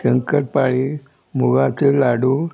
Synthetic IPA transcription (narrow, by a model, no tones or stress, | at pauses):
ɕəŋkəʈ̚paɭi | muɡat͡selaɽu